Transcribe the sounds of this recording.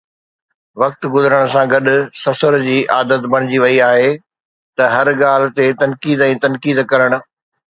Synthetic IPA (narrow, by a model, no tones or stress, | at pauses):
ʋɐkt̪ɡʊzəɾəɽ̃ʊ̆sãɡɐɗʊ̆sɐfəɾd͡ʑiːʔaːd̪ət̪bɐɽ̃ɪd͡ʑiʋɐiaːɦe | t̪ɐɦɐɾɠaːl̤ɪ̆t̪et̪ɐnkiːd̪ɛ̃ːt̪ɐnkiːd̪kɐɾəɽ̃ʊ̆